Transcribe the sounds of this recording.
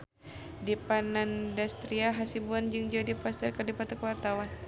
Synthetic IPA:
dipanandast̪ɾiaɦasibuand͡ʒɨŋd͡ʒadipast̪ɛrkərdipat̪akəwart̪awan

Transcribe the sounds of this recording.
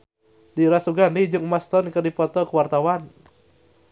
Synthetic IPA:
diɾasuɡandid͡ʒɨŋmast̪ɔnkɨrdipɔt̪ɔkuwart̪awan

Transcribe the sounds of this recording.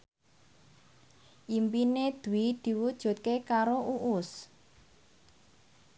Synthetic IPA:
ʔimpined̪̥ṳid̪̥i̤wud̥ʒ̥ṳt̪̚kekaɾoʔuʔʊs

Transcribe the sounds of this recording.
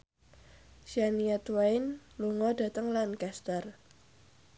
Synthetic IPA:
ʃianiat̪wajnluŋɔda̤t̪əŋlankast̪ər

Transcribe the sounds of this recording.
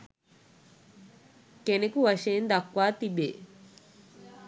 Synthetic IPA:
kenekuʋɐʃend̪ɐkʋaːt̪ibeː

